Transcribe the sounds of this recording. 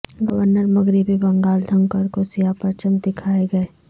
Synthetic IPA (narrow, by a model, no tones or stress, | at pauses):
ɡɐʋəɾnəɾmɐɡɾɪbibɐ̃ŋɡaːld̪ʱɐ̃ŋkəɾkosijapɐɾt͡ʃə̃nd̪ɪkʰaːeɡɐeː